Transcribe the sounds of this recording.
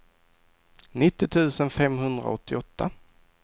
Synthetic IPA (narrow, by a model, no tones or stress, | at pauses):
nɪt̪ːɪt̪ʰʉ̟ːsənfɛmɦɵnd̪ɾa̰ɔt̪ʰːɪɔt̪ːa